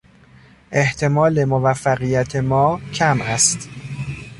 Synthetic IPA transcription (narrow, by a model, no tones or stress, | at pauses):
ʔe̞ht̪ʰe̞mɒːle̞movæfːæɣijæt̪ʰe̞mɒːcʰæmʔæst̪